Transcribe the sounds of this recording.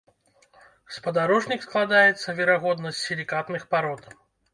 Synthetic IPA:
spɐd̪aɾɔʐnʲiksklˠad̪ajɛt̪sːɐvʲɛɾaɣɔd̪nəsʲsʲilʲikat̪nɨxpaɾɔt̪

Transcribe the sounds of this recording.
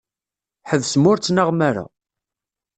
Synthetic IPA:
ħəðsmʊɾt͡sːnəʁmaɾa̰

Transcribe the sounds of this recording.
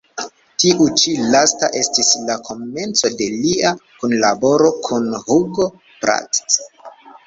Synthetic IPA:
tiʔut͡ʃilastaʔe̞stislakʰo̞me̞nt͡sode̞liakunlabo̞ɾo̞kʰunhuɡo | pɾa̰tt

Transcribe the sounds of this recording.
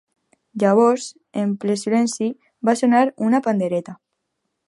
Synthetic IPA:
d͡ʒaβ̞os | emplesilensi | basonaɾunapand̪eɾet̪a

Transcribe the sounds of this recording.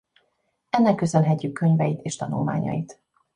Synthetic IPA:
ɛnːɛkːø̞sø̞nɦɛcːykʰːøɲvɛjit̪eːʃt̪ɒnulma̰ːɲɒ̰jit̪

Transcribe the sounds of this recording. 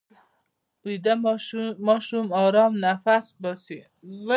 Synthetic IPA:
ud̪amɑʃumɑɾɑːmnafasbɔsi | z

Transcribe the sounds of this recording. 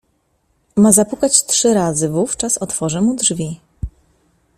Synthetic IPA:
mazapukat͡ɕt̪ʂɘɾazɘvuft͡ʂasɔt̪fɔʐɛmud̪ʐvʲi

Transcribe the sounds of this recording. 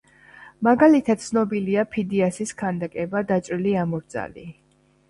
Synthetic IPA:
maɡalit̪ʰad̪̥̚t̪sʰnɔbiliapʰid̪iasiskʰand̪akʼɛbad̪at͡ʃʼɾiliamɔɾd̪za̰li

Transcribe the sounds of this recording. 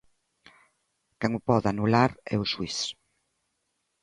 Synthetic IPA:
kɛŋʊpɔðanulaɾɛ̰uswis

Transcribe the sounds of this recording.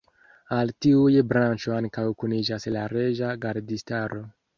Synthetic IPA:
altiujbɾant͡ʃoaŋkawkunid͡ʒaslaɾe̞ʒaɡaɾdistaɾo̞

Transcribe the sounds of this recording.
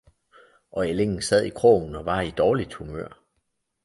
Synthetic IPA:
ʔɒ̽ele̝ŋn̩sæð̰ˠikʰʁo̰nɒ̽ʋɑ̈id̥ɒːlid̥humø̰ɐ̰

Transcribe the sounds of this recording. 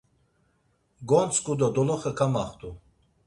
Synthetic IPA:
ɡɔnt͡skʼud̪ad̪ɔlaχəkʰamaχt̪ʰʼu

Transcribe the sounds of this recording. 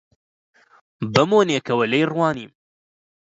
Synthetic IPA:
bɐmoːneːkɐwɐlɐjrwɑːniːm

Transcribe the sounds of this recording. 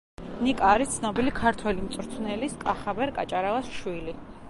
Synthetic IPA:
nikʼaːɾist̪sʰnɔbilikʰaɾt̪ʰwɛlimt̪sʼɾt̪ʰnɛliskʼaχabɛɾkʼat͡ʃʼaɾalˠasʃwili

